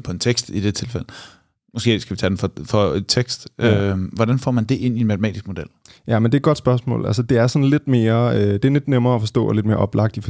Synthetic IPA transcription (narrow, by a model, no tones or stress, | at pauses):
pʰɒ̽e̝nt͡sʰeɡ̥sd̥id̥e̝t͡sʰe̝lfel̰ | mɒ̽sɡ̥e̝̰ːsɡ̥æʋit͡sʰɛdenfɒfɒet͡sʰeɡ̥sd̥øʋɒd̥ænfɒ̰ːmænd̥e̝ʔe̝n̰inmæt͡sʰemɛ̰ːdisɡ̥mo̝d̥el̰jæmend̥e̝æ̥ɡ̥ɒ̽d̥sb̥ɶɐsmɔ̰̽ːlʔælsəd̥e̝æɐsɒ̽nle̝d̥me̝ːɐød̥e̝æɐle̝d̥nemɐːɒfɒ̽sd̥ɔ̰ːɒle̝d̥me̝ːɐ̰ʔɒ̽b̥lɑ̈ɡ̥̚d̥if